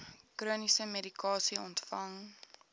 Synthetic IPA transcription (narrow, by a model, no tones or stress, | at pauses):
kruənisəmeɾikɑːsiɔntfɐŋ